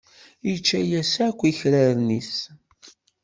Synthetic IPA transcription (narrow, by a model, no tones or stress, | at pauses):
jit͡ʃːæjæsækʷːiçɾəɾnis